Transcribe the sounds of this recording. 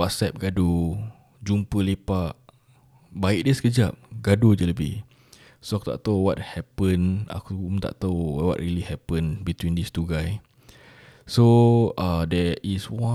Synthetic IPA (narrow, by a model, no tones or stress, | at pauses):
wɔt̚sɛp̚ɡadu | d͡ʒumpəlepaʔ | baiʔ̚dəskəd͡ʒap̚ɡadud͡ʒələbḭh | soakut̪a̰ʔt̪owɔt̚hɛpə̃na̰kut̪a̰ʔt̪owɔ̰ʔ̚ɹilihɛpə̃nbit̪wĩndist̪uɡaj | soadɛʔiswã